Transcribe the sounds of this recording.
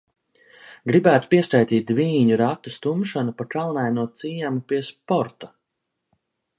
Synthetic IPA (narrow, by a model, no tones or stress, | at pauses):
ɡɾibæːt̪u̥piɛskajt̪iːt̪̚d̪viːɲuɾat̪ːust̪umʃanupakalˠnajnuɔt̪siːɲamupiɛspɔɾt̪ḁ